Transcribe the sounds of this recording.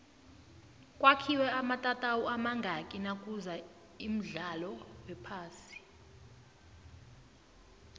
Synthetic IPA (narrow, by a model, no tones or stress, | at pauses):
kʼwakʰiwɛamatʼatʼawɔamaŋɡʱakʼinakʼuza | im̩ɮalɔwɛpʰaːsi̥